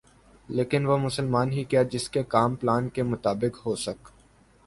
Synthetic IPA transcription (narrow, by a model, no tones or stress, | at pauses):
leːkɪnʋomʊsəlmaːnɦikiad͡ʒɪskekaːmplaːnkemʊt̪aːbɪkɦosɐk